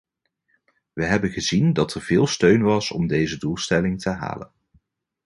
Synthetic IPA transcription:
ʋəɦɛbənχəzindɑtɛɹvɪːlˠstøɥnʋɑsɔ̰mdejzədulˠstɛlɪŋtəɦa̰ːlə̰n

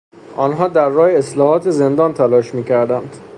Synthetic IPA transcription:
ʔɒːnɦɒːd̪æɾːɒːjeeslɒːhɒːt̪ʰeze̞nd̪ɒːnt̪ʰælɒːʃmiːcʰæɾd̪ænd̪̥

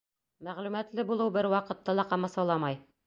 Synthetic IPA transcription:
mæʁlʉmæt̪lɘbulˠɤwbɘɾwɑqɤ̆t̪ːɑlˠɑqɑmɑsɑlˠɑmɑj

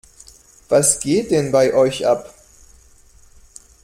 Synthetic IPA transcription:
v̥asɡ̥eːt̚d̥ɛnbaɪʔɔʏçʔap

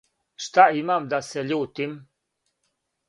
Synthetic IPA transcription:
ʃt̪aimamd̪aseʎuːt̪im

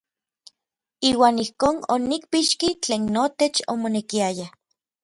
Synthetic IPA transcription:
iːwaːnihkoːno̰nik̚piʃkit͡ɬeːnːot̪et͡ʃo̰monekiaja

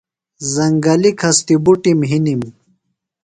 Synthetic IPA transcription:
zɐŋɡɐlikʰɐst̪ibuʈimɦinim

